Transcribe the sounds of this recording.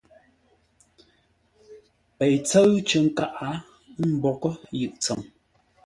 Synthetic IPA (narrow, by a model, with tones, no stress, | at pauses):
pe˨jt͡sə˦ɰt͡ʃə˨ŋ̩˦ka˦ʔa˨˦ | m̩˦bɔ˨kə˦jɯ˨ʔt͡sə˨m